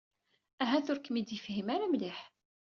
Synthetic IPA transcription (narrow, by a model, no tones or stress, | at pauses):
æɦæθʊɾkːmid̪jəfhimaɾamlɪħ